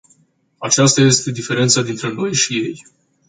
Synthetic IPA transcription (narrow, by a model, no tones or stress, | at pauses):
at͡ʃast̪aje̞st̪e̞d̪ife̞ɾe̞nt̪sad̪int̪ɾe̞no̞jʃije̞j